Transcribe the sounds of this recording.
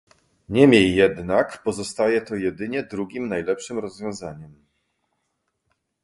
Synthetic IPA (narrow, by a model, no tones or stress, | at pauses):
ɲɛmʲjejːɛd̪nakpɔzɔst̪ajɛt̪ɔjɛd̪ɘɲɛd̪ɾuɡʲimnajlɛpʂɘmɾɔzvʲjɔ̃w̃zaɲɛm